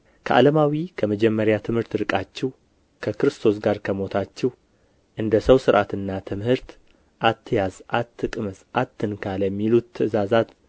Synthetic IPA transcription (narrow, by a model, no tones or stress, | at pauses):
kʰəʔa̰ləmawikʰəməd͡ʒɛmːəɾjat̪ʰɨmhɨɾt̪ɾɨkʼat͡ʃːɛw | kʰəkɾɨst̪ʰo̞sɡaɾkʰəmo̞t̪ʰat͡ʃːɛw | ʔɨnd̪əsəwsɨɾʔat̪ɨnːat̪ʰɨmhɨɾt̪ | ʔat̪ʰːɨjazʔat̪ʰːɨkʼmɨsʔat̪ʰːɨnkʰaləmːilut̪ʰːɨɨzazat̪